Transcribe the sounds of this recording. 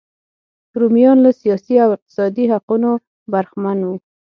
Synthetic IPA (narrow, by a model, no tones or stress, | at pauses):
ɾumjɑnlasijɑsiawɪq̚t̪ɪ̥sɑd̪iɦaquno | baɾxmanwu